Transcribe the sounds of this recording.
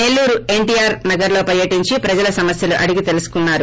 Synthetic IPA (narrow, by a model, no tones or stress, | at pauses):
ne̞lːuːɾue̞ɳʈiːjaːɾnɐɡɐɾlo̞ːpɐɾjɐʈiɲt͡ʃipɾɐd͡ʒɐlɐsɐmɐsjɐluʔɐɽiɡit̪e̞lusu̥kunːaːɾu